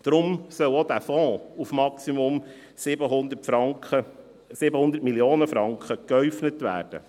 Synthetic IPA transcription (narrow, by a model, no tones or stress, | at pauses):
d̥ɾʊmsœlod̪æːfɔ̃ːufmɑksimʊm | sɪbəɦʊnd̪ətfɑə | sɪbəhʊndətmiljoːnəfɾɑŋkχəkœɥfnətʋæ̰ːɾd̥ə̰